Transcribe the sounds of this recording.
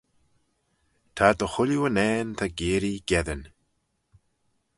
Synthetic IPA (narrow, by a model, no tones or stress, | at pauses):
t̪ʰad̪əxʊljuənɛːnt̪ʰaɡeːɾiɡ̥ɛðən